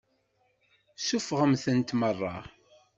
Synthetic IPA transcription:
sufʁəmθənt̪mərˤːɑ̰

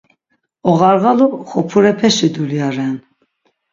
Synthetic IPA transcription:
ɔɣaɾɣaluχɔpʰuɾɛpʰɛʃid̪uljaɾɛn

